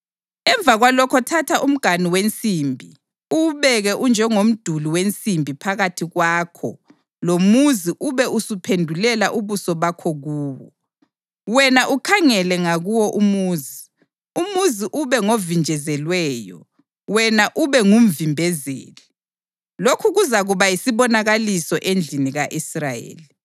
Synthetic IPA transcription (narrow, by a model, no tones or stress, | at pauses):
ɛɱb̪vʱaɣwalɔkʰɔtʰatʰaʔum̩ɡ̥ʱaniwent͡sʼiːmbʱi | uβɛɣɛʔund͡ʒʱɛŋom̩d̥ʱuliwent͡sʼimbʱipʰaɣatʰiɣwaːkʰɔ̰ | lomuziʔuβɛʔusupʰendʱulɛlaʔuβusɔβakʰɔɣuːwɔ | wɛnaʔukʰaŋɛlɛŋaɣuwɔʔumuːzi | umuziʔuβɛŋovind͡ʒʱɛzɛlwɛːjɔ̰ | wɛnaʔuβɛŋum̩vimbʱɛzḛːli | lokʰuɣuzaɣuβaisiβɔnaɣalisɔʔend͡ɮʱiniɣaʔisrajḛːli